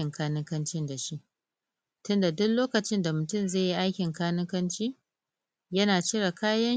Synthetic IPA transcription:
ɪ˨ŋkʰaː˦nɪ˦kɐ˦nt͡ʃɪ˦nda˨ʃi˦ʔ | tʊ˦nda˨dʊ˦kloː˦kɐ˨t͡ʃɪ˦nda˨mʊ˨tʊ˦˨mzeː˦˨ji˦ʔa˦jkʲɪ˨ŋkaː˦nɪ˦kɐ˦nt͡ʃiː˦ | jɐ˦naː˨t͡ʃɪ˦ɽa˨kaː˦jɐ˦n

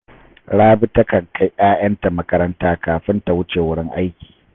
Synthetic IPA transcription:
ɽaː˦bɪ˦tɐ˦kɐ˨ŋkʰa˦jʔaː˦jɐ˦nta˨mɐ˦kɐ˦ɾɐ˦ntaː˦kaː˨ɸɪ˦nta˨wʊ˦t͡ʃeː˨wʊ˦ɽɪ˦ŋʔa˦jkʲi̥ː˨

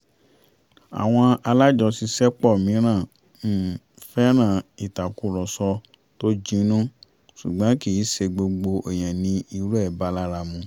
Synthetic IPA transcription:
a̰˨w̃ɔ̃˧a˧la˦d͡ʒɔ˧si˧sɛ˦k͡pɔ˦˨mĩ˨˦ɾ̃ã˦˨˦ | fɛ˦ɾ̃ã˦˨i˨ta˨ku˦˨ɾɔ˨sɔ˧ | to˦d͡ʒĩ˧˦nũ˦ | su˨ɡ͡bã˨˦ki˦˨i˨˦se˧ɡ͡bo˧ɡ͡bo˧e˨j̃ɛ̃˨nĩ˧i˧ɾu˦ɛ˦˨ba˧˦la˦ɾa˧˨mũ˧

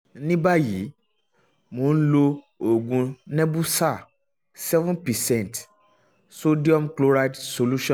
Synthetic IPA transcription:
nĩ˦ba˦ji˨˦ | mõ˨˦n̩˦lo˧ | o˨ɡũ˨nɛ̃˦bu˦sa˦˨ | sɛ˦vũ˦npɛ˨sɛ̃˦˨n˨t | so˦di˦ɔ˦mklo˦ɾa˦jdso˨lu˦ʃɔ̃˦˨

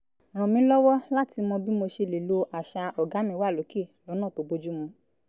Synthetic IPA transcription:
ɾ̃ɔ̃˨mĩ˨˦lɔ˦wɔ˦la˦ti˧mɔ̃˧bi˦mo˧ʃe˧le˨lo˧ʔa˨ʃa˧ɔ˨ɡa˨˦mĩ˧˦wa˦˨lo˨˦ke˦˨lɔ˨˦nãː˦˨to˨˧bo˧d͡ʒu˦mũ˧

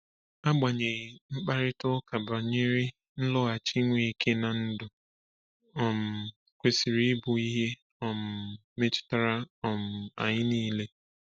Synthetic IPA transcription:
a˦ɡ͡ba˨ɲe˨ɣɪ˨m̩˦k͡pa˦ɾɪ˦tʊ˦ka˨ba˨ɲe˦ɾɪ˦ | n̩˦lɔ˦a˨t͡ʃi˦ŋʷe˨i˨ke˦na˨n̩˦dʊ˨ | ɔ˨m̩˨ | kʷe˨si˨ɾi˦bʊ˨i˦ɦe˦ | ɔ˨m̩˨ | me˦t͡ʃɪ̥˦ta˦ɾa˦ɔ˨m̩˨a̰˨ɲɪ˦niː˦le˦

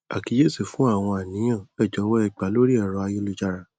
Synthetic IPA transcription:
a̰˨ki˨˦je˦˨su˨fũ˨˦a˦˨w̃ɔ̃˧a˨nĩ˨˦ã˦˨ɛ˦˨d͡ʒɔ˨˦wɔ˦ɛ˦˧˨k͡pa˨lo˦ɾi˦ɛ˦˨ɾɔ̃˨˧a˧jo˦˧˦lu˧d͡ʒa˧ɾa˧˨

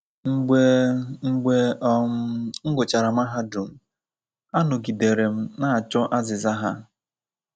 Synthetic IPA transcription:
ŋ̩˦ɡ͡be˦ŋ̩˦ɡ͡be˦ | ŋ̩˦ɡʊ˨t͡ʃa˨ɾa˨m̩˦a˦ɦa˦du˨m̩˦ | a˦nʊ˨ɡi˨de˨ɾe˨m̩˦na˦a˨t͡ʃɔ˦ʔa˦zɪ˨za˦ɦa˦

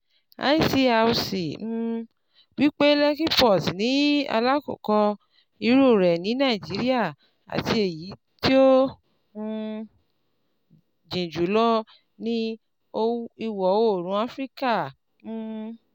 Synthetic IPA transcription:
a̰˨˦i˦˨si˧a˧u˧si˨m̩˦˧ | wi˦k͡pe˦lɛ˦ki˦pɔ˦˨snĩ˨˦a̰˧la˦ko̰˨kɔ˧ | i˧ɾo˦˨ɾɛ˨nĩ˨˦nã˦˨i˨d͡ʒi˨˦ɾi˦a˦˨ | a̰˨ti˧˦e˨ji˨˦ | ti˦õ˦˧ | d͡ʒĩ˨d͡ʒu˨˦lɔ˦ | nĩ˦ | o˦i˧wɔ˨˦wo˦˨ɾ̃ũ˨˦a˦fɾi˦ka˦˨ | m̩˦˧

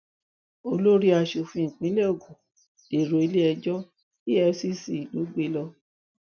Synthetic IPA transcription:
o˧lo˦ɾi˦a˧ʃo˨fĩ˧˨k͡pĩ˨˦le˦o˦˨ɡũ˨ | e˨ɾo˨i˨˦le˦ɛ˧d͡ʒɔ˦ | i˦ɛ˧˦si˦si˨i˨lu˨˦ɡ͡be˦lɔ˧

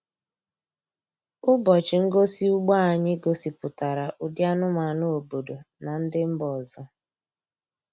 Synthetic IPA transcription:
ʊ˦bɔ˨t͡ʃɪ˨ŋ̩˦ɡo˦si˦u˦ɡ͡ba˦a˨ɲɪ˦ɡo˨si˨pʊ˨ta˨ɾa˨ʔʊ˨dja˦nʊ˦ma˨no˨o˨bo˨do˨na˨n̩˦dɪ˦m̩˦bɔ˨zɔ˦

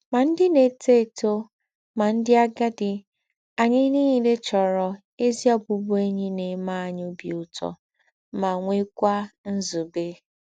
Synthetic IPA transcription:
ma˨n̩˦dɪ˦ne˨te˦˨to˦ | ma˨n̩˦dɪ˦a˦ɡa˦dɪ˨ | a˨ɲɪ˦ni˦ɦi˨le˦t͡ʃɔ˨ɾɔ˨ | e˦zi˦ɔ˦bʊ˨bʊ˦e˦ɲi˦ne˨˦ma˦a˨ɲ˦o˦bi˨ʊ˦tɔ̰˨ | ma˨ŋʷe˦kʷa˦n̩˦zu˨be˦

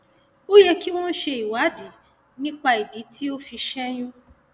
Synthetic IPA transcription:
o˦je˧ki˦wɔ̃˦n̩˦ʃe˧i˨wa˨˦di˨˦ | nĩ˦k͡pa˧i˨di˨˦tʰi˦o˦fi˧ʃɛ˦j̃ũ˦

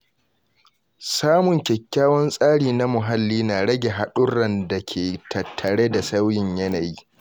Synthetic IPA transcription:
saː˦mʊ˨ŋkʲɛ˨kʲːaː˦wɔ˦nsʼaː˦ɽiː˨na˦mʊ˨ɦa˦lːiː˦naː˨ɽɐ˦ɡʲe˨ɦa˨ɗʊ˦ɽɐ˦nda˨kʲʰeː˨tʰɐ˨tʰːɐ˨ɽeː˦da˨sa˦wjɪ˨ɲjɐ˦na˨jiː˦

